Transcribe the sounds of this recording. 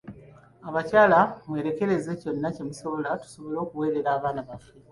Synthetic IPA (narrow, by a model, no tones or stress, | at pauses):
aβacaːlamwe̞ːɾe̞ke̞ɾe̞ze̞co̞nːacemiso̞βo̞latu̥so̞βo̞lo̞ːkuwe̞ːɾe̞ɾaːβaːnaβafe